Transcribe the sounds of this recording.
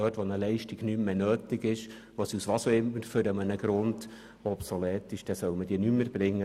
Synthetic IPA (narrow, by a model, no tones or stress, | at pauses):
œːtʋɔnəlɛɪʃtɪɡ̥nymːenøːtɪɡɪʃ | ʋosiusʋɑsoɪmətføɾəmənəɡ̥ɾʊnd | ɔpsɔlɛːtɪʃd̥ɛsœʊməd̥iːnymːəɾb̥ɾɪŋːə